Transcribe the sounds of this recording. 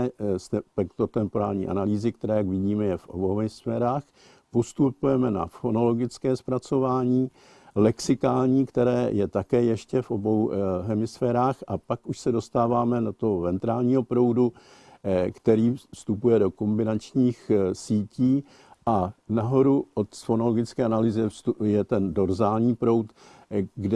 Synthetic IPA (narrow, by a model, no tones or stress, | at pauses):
st̪ɛpɛkt̪ot̪ɛmpo̞ɾaːlɲḭːʔa̰naliːzɪkt̪ɛɾɛːjaɡvɪɟiːmɛjɛfʔo̰bohɛmɪsfɛːɾaːx | post̪upujɛmɛna̰fo̞no̞lo̞ɡɪt͡skɛːspɾat͡so̞vaːɲiː | lɛksɪkaːlɲiːkt̪ɛɾɛːjɛt̪akɛːjɛʃcɛfʔo̞bo̞wɦɛmɪsfɛːɾaːxʔa̰pakuʃsɛdo̞st̪aːvaːmɛnat̪oɦovɛnt̪ɾaːlɲiːɦo̞pɾo̞wdu | kt̪ɛɾiːst̪upujɛdo̞ko̞mbɪnat͡ʃɲiːxsiːciː | ʔanaɦo̞ɾuʔo̞t̪sfo̞no̞loɡɪt͡skɛːanaliːzɛujɛt̪ɛndo̞ɾzaːlɲiːpɾo̞wt̪ | ɡdɛ